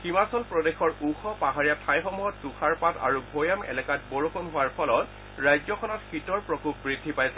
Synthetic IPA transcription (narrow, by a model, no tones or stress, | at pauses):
ximasɔnpɹɔdexɔɹuxɔpaɦaɹijatʰajxɔmuɦɔttuxʰaɹpata̰ɹubʱojamɛ̰lɛkat̚boɹukɔnɦʊwaɹpʰɔlɔt | ɹajzɔxʰɔnɔtxitɔɹpɹɔkuk̚bɹidʱːipajsɛ